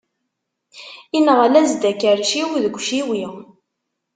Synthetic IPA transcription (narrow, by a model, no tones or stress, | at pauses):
inəʁælæzd̪ækːəɾʃiwiðəɡʷʃiwi